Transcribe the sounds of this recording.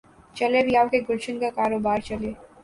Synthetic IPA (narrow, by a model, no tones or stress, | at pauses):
t͡ʃɐlebijaːʋkeɡʊlʃənkakaːɾoːbaːɾt͡ʃɐleː